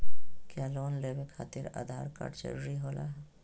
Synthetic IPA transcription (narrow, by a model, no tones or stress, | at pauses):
kjaːloːnleːwekʰa̰ːt̪ɪɾa̰ːd̪ʱaːɾka̰ɾt͡ʃə̰ɾɾiɦoːlaː